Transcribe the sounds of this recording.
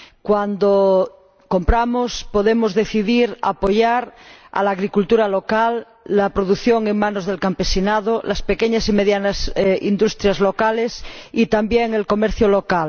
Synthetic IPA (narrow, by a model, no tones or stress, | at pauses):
kwand̪o | kompɾamospoðemozðeθiðiɾa̰poʝaɾa̰laːɣɾikult̪uɾalokalː | apɾoðuθjoŋeŋmãnozðelkampesinað̞olaspekeɲasimeðjanasind̪ust̪ɾjazlokalesit̪ambjeŋelkomeɾθjolokal